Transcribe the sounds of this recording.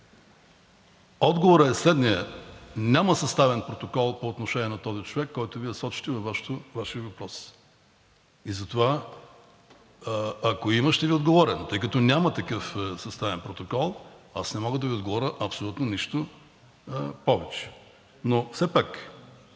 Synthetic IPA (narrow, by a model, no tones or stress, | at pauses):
ɔd̪ɡovoɾəɛslɛd̪niənʲaməsɐst̪avɛnpɾot̪okɔlˠpoːt̪noʃɛnʲiɛnɐt̪ɔzit͡ʃovɛkːɔjt̪ʊviɛsɔt͡ʃi̥t̪ɛvɐvaʃt̪ovaʃiəvɐpɾɔs | izɐt̪ova | ɐkoiməʃt̪ɛviod̪ɡovɔɾɛnot̪ɤjkɐt̪ɔnʲamɐt̪ɐkəfsɐst̪avɛnpɾot̪okɔlˠasnɛmɔɡəd̪ɐviod̪ɡovɔɾəʔɐpsolʲut̪noniʃt̪o | pɔvɛt͡ʃɛ̥ | nofsɛpak